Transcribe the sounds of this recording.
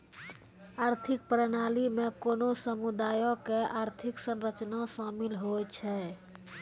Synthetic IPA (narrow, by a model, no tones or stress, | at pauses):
aɾt̪ʰik̚pɾənalimekonosəmud̪aːjõkeʔaɾt̪ʰiksənɾət͡ʃnasamilɦot͡ʃʰɛ